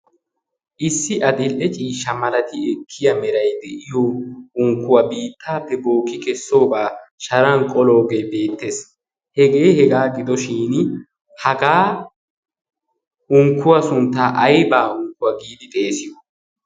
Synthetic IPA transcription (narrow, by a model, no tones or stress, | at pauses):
ʔɪsːɪʔɐd̪ɪlʔɛt͡ʃʼiːʃːɐmɐlɐt̪ɪɛkʰːɪjɐmɛɾɐjd̪ɛʔɪjoʊŋkːʊwɐbiːt̪ʰːaːpːɛbo̞ːkːɪkɛsːo̞ːbaːʃɐɾɐŋkʼɔlo̞ːɡejbe̞ːt̪ːes | hɛɡe̞ːhɛɡaːɡɪd̪ɔʃiːn | hɐɡaː | ʔʊŋkːʊwɐsʊnt̪ːaːʔɐjbaːʊŋkːʊwɐɡiːd̪ɪt̪ʼe̞ːsɪjɔ